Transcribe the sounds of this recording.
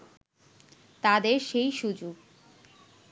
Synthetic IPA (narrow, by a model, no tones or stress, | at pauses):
t̪ad̪eɾʃejʃud͡ʑuɡ